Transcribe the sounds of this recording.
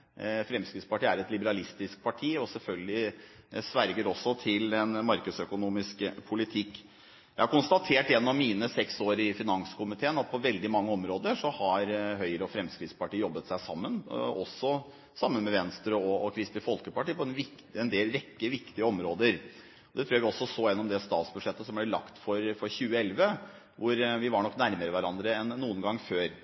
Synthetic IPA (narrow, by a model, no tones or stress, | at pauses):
fɾɛmskɾɪt̪spɑʈiːæɾɛt̪lɪbəɾɑlɪst̪ɪsk̚pʰɑʈʰiːɔsɛlfœlɡəlɪ | sʋæɾɡəɾɔsːɔt̪ʰɪlɛnmɑɾkəd̪sœkʊnuːmɪskpʰʊlɪt̪ʰɪkː | jæɪhɑɾkʊnst̪ɑt̪ʰeːʈjɛnːɔmmiːnəsɛksoːɾɪfɪnɑŋskʰʊmɪt̪ʰeːnɑt̪̚pʰɔʋɛld̪ɪmɑŋːəɔmɾoːd̪əʂɔhɑɾɦœʏɾəɔfɾɛmskɾɪt̪spɑʈiːəjɔbːət̪sæɪsɑmːənɔ̰sːɔ | sɑmːənmɛʋɛnst̪ɾəɔːkʰɾɪst̪ɪfɔlkəpɑʈiːpʰɔɛnʋɪ | ɛnd̪eːlɾɛkːəəʋɪkt̪ɪəɔmɾoːd̪əɾ | ɔd̪ɛt̪ʰɾuːæʋɪɔsːɔsoːjɛnːɔmd̪ɛst̪ɑ̰ːt̪sbʉʂɛt̪ːəsɔmblɛlɑ̰kt̪fɔɾfɔɾçʉːəɛlʋə | ʋʊɾʋɪʋɑɳɔknæɾməɾəʋæɾɑnd̪ɾəɛnːuːənɡɑŋːføːɾ